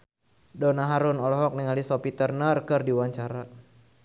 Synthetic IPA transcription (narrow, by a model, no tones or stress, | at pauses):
dɔnaɦaɾunɔlɔɦɔk̚niŋalisɔpit̪ərnərkɨrdiwaɲt͡ʃaɾa